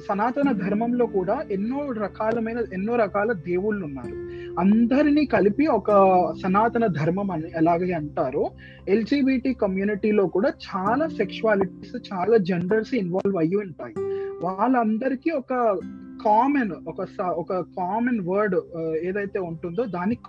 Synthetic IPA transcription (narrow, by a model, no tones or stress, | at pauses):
sɐnaːt̪ɐnɐd̪ʱɐɾmɐmlo̞ːkuːɽaːʔenːoːɾɐkaːlɐmɐjnɐenːoːɾɐkaːlɐd̪e̞ːwuɭunːa̰ːɾuɐnd̪ɐɾiniːkɐlipiɔkɐsɐnaːt̪ɐnɐd̪ʱɐɾmɐmɐnɛlaːɡeːɐɳʈaːɾu | e̞ld͡ʒiːbiːʈiːkɐmjuːniʈiːlo̞ːkuːɽaːt͡ʃaːlaːsekʂuaːliʈiːst͡ʃaːlaːd͡ʒeɳɖɐɾsinʋaːlʋɐjːuuɳʈa̰ːjiʋaːɭːɐɐnd̪ɐɾikiːɔkɐkaːmɐnɔkɐsɐɔkɐkaːmɐnʋɐɾɖeːd̪ɐjt̪e̞ːuɳʈund̪o̞ːd̪aːnik